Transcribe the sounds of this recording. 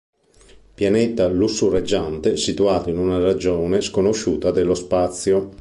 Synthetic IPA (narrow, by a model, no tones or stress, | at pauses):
pjanɛt̪alusːurad͡ʒːant̪esit̪uaːt̪oinunarad͡ʒoːneskonoʃuːt̪ad̪elːospat̪sːjo